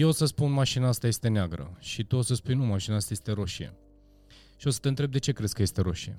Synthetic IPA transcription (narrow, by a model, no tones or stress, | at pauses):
jeosəspunmaʃinaast̪aje̞st̪e̞neaɡɾə̰ʃit̪uo̞səspujnumaʃinaast̪aje̞st̪e̞ɾo̞ʃiḛ | ʃio̞sə̥t̪e̞ɨnt̪ɾebd̪e̞t͡ʃe̞kɾesʲkəje̞st̪e̞ɾo̞̰ʃiḛ